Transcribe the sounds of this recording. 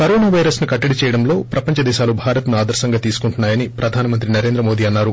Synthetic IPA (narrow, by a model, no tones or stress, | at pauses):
kɐɾoːnaːʋɐjɾɐsnukɐʈːɐɽit͡ʃɛːjɐɽɐmlo̞ːpɾɐpɐɲt͡ʃɐd̪ɛːʃaːlubʱaːɾɐt̪nuaːd̪ɐɾsɐŋɡɐt̪iːsu̥kuɳʈunːaːjɐnipɾʔɐd̪ʱaːnɐmɐnt̪ɾinɐɾe̞ːnd̪ɾɐmo̞ːd̪iːɐnːaːɾu